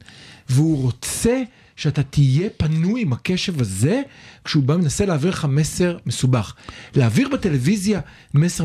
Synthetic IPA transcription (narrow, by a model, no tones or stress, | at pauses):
veuʁo̞t͡se̞ | ʃeat̪at̪ije̞panujimhake̞ʃe̞vaze̞kʃeubame̞nase̞leaːviʁleχamese̞ʁme̞subaχleaviʁbet̪elevizja | mese